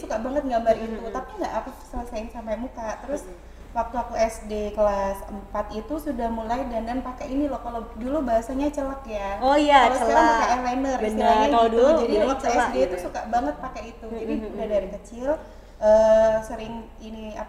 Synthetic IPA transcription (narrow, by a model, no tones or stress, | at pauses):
sukabaŋət̪̚ŋɡabaɾit̪ut̪apiŋɡa̰ʔaku̥sələsaɪnsampamukat̪əɾʊs | wak̚t̪uak̚uɛsdekəlasəmpat̪it̪usudahmulajdandanpakɛʔinilɔhkaladulubaɦasaɲat͡ʃəlakjaojaaləaanakaɛhlajnərsilaɲadd͡ʒadiwak̚t̪uɛsdet̪usukabaŋət̪̚pakɛit̪ud͡ʒaiudahdaɾikət͡ʃɪl | ʔəːsəɾɪŋ | inia̰